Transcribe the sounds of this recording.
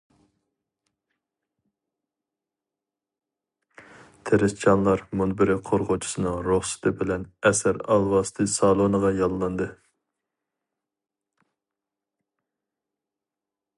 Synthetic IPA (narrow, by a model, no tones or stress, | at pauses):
t̪ʰeɾɪst͡ʃʰɑnlˠɑɾmunbɪɾɪqʰoɾʁot͡ʃʰu̥sɨnɨŋɾoχsɨ̥t̪ʰɨbɪlɛnɛsæɾɑ̰lˠvɑsɨ̥t̪ʰɨsɑlˠonəʁɑjɑlˠːɑnd̪ɨ